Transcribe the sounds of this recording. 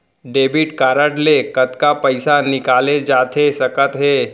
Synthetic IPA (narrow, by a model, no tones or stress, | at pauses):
ɖebiʈkaɾəʈlekət̪kapəjsanikaled͡ʑat̪ʰesəkət̪ɦe